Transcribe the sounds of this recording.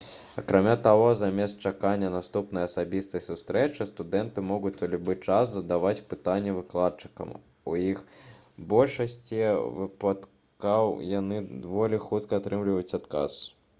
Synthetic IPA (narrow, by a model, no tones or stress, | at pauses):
ɐ̰kɾamʲat̪aɣɔzamʲɛst̪̚t͡ʂakanʲːɐnast̪upnɐjɐsabʲist̪ɐjsust̪ɾɛt͡ʂɨst̪ud̪ɛnt̪ɨmɔɣut͡s̪ʲɐlʲubɨt͡ʂaszɐd̪avat͡sʲpɨt̪anʲːɛvɨklˠat̪̚t͡ʂɨ̥kɐ̰m | ujix | bɔlʲʂɐsʲt͡sʲivɨpat̪ | kawjanɨd̪vɔlʲixut̪kɐːt̪ɾɨmlʲivɐjut͡sʲat̪ka̰s